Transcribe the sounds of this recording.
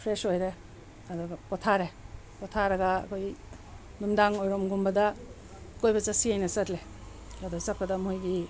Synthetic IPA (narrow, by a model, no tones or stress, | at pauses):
pʰɾesojɾe | ɐduɡɐkotʰaɾe | pɔtʰaɾɐɡɐ̰ːkʰoj | numdaŋojɾomɡumbɐdɐ | kojbɐsasiajnɐsɐtle | adosɐt̚pɐdɐmojɡi